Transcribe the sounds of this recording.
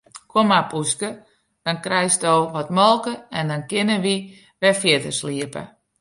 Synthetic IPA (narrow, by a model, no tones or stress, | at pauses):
kʰomapuskə | d̥ɔnkrɛjstoːʋɔtmɔlˠkəɛndɔnkɪnəʋi | ʋɛfjɪdəsliəpə̰